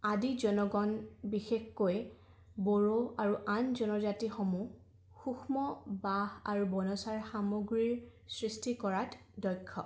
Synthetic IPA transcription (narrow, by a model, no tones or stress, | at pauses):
adizɔnɔɡɔnbixexkoj | bɔɹoaɹuʔanzɔnɔzatixɔmu | xuxʰmɔbaɦaɹubɔnɔsaɹxamoɡɹiɹsɹistikɔɹatʰdɔjkʰːɔ̰